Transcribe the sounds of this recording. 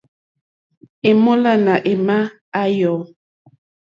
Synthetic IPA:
e˨mo˦la˦˨na˨ʔe˨ma˦ | a˦jɔ˨˦

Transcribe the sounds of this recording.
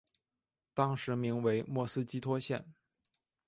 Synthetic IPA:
t̪ɑ˥ŋʂɻ̩˧˥mi˧˥ŋwe˧˥ɪmwɔ˥˩sɹ̩˥t͡ɕi˥t̪ʰwɔ˥ɕjɛ̰˥˩n

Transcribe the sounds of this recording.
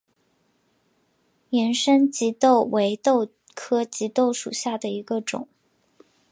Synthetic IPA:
jɛ˧˥nʂə˥nt͡ɕi˧˥t̪o˥˩ʊwe˧˥ɪt̪o˥˧ʊ | kʰɤ˥t͡ɕi˧˥t̪o˥˩ʊʂṵ˨˩ɕja˥˩d̪ə˩i˧˥ɡə˧ʈ͡ʂʊ̰˨˩˦ŋ

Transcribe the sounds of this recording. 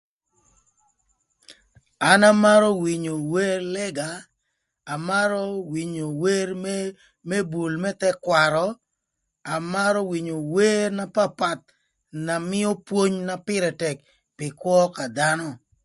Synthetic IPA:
a˦na˦ma˦ɾɔ˦wi˨ɲo˨we˦ɾlɛ˦ɡaː˨ | ma˦ɾɔ˦wi˨ɲo˨we˦ɾ | mɛ˦bu˨lmɛ˦t̪ɛ˦kwa˨ɾɔ˨ | a˨ma˦ɾɔ˦wi˨ɲo˨we˦ɾna˦pa˦pa˨t̪̚ | na˨mɪ˦ɔ˦pwo˦ɲna˦pɪ˦ɾɛ˨tɛ˨k | pɪ˨kwɔ˦ka˨d̪a˦nɔ˨

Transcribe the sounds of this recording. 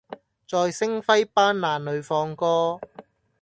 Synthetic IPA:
t͡sɔː˨˧jsɪ˥ŋfɐ˥jpaː˥nlaː˨˩nlɵ˨˧ɥfɔː˧ŋkɔː˥

